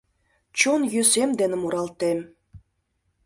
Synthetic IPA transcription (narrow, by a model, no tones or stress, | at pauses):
t͡ɕonjøsemd̪enə̆muɾɑlt̪em